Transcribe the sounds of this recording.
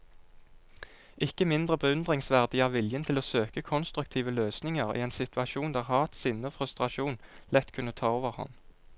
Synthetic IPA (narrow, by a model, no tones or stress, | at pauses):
ʔɪkːəmɪnd̪ʁəbəʉnd̪ʁɪŋsʋæʁd̪ɪɑːʋɪljənt̪ʰɪloːsøːkəkʰɔnst̪ʁʉk̚t̪ʰiːʋəløːsnɪŋəʁḭːeːnsɪt̪ʰʋɑʃuːnd̪æːʁhɑːt̪sɪnːəoːfʁʉst̪ʁɑʃuːnlɛt̪ːkʰʉnət̪ʰɑːoːʋəʁhɑ̰n